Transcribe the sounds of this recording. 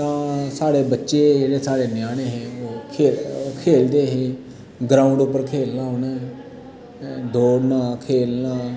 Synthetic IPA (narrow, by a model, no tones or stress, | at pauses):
t̪ãːsaːɽebətːʃed͡ʒeɽesaːɽenjaːɽ̃eɦeokʰeːlkʰeːld̪eːɦiː | ɡɾaːʊ̃ɳɖʊp̬ːəɾkʰeːlnaːoːnaɦe | d̪ʱoːɽnaːkʰeːlnaː